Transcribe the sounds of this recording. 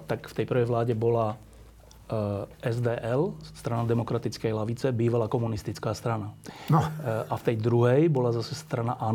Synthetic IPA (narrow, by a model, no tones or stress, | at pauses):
t̪akft̪ɛjpr̩ʋɛjʋlaːɟɛbɔla | ɛzd̪ɛːʔɛlsst̪ɾanad̪ɛmɔkɾat̪it͡skɛjlaʋit͡sɛbiːʋalakɔmunist̪it͡skaːst̪ɾananɔʔaft̪ɛjd̪ɾuɦɛjbɔlazasɛst̪ɾanaʔa